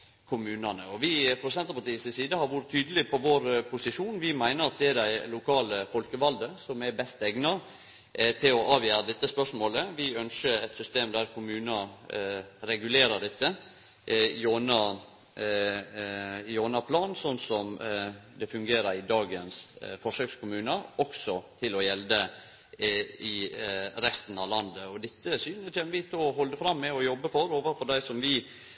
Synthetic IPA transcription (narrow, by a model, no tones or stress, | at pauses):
kʰʊmʉːnɑnəɔʋɪpʰɾʊd̪sɛnt̪əpɑʈ̪iːsɪsiːd̪əhɑɾʋʊɾət̪ʰyːd̪əlɪpʰɔʋoːɾpʰʊsɪʂuːnʋɪmæɪnəɾɑt̪̚d̪ɛæd̪æɪlʊkʰɑːləfɔlkəʋɑld̪əsɔmæbɛst̪ɛɡnɑ | t̪ʰɪlɔʔɑːʋjæːɾɑd̪ɛt̪ːəspœʂmoːləʋɪœnʃəɾɛt̪sʏst̪eːmd̪æɾkʰʊmʉːnɑ | ɾɛɡʉleːɾəɖɛt̪ːə | joːnɑ | joːnɑpʰlɑːnsɔnsɔmd̪ɛfʉŋɡeːɾəɾɪd̪ɑːɡənsfɔʂøːkskʰʊmʉːnəɔksɔt̪ʰɪlɔjɛld̪ə | ɪɾɛst̪n̩ɑʋlɑnd̪əɔd̪ɪt̪ːəsyːnət̪ʰɛmʋɪt̪ʰɔɦɔld̪əfɾɑmːɛɔjɔbːəfɔɾoːʋəɾfɔɖæɪsɔmʋɪ